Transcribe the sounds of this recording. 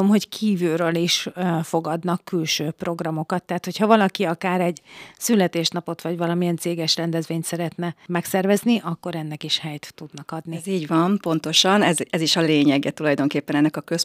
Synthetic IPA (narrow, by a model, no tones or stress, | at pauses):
omɦo̞ckʰiːvyɾøːliʃfo̞ɡɒd̪nɒkːylʃøːpro̞ɡrɒmo̞kɒt̪ːɛɦat̪ho̞chɒvɒlɒkiɒkaːɾɛɟsylːɛt̪eːʃnɒpo̞t̪ʋɒɟvɒlɒmiɛnt̪seːɡɛʃrɛnd̪ɛzʋeːɲt̪sɛɾɛt̪nɛmɛksɛrvɛzniʔɒkːo̞ɾɛnːɛkiʃhɛjt̪ːud̪nɒkɒd̪niziːɟʋɒmpo̞nt̪o̞ʃɒnɛzɛziʃɒleːɲɛɡɛt̪ulɒjd̪o̞ŋkeːpːɛnɛnːɛkɒkøs